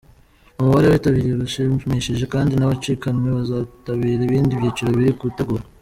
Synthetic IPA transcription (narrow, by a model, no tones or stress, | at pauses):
umuβaɾeβitaβiɾiɾuʃeβimeʃeʒe̞kaːndinaβat͡ʃiːkanŋwe̞βazataβiːɾaiβiːndiβjit͡ʃiɾo̞βiɾikuβuteɡuɾa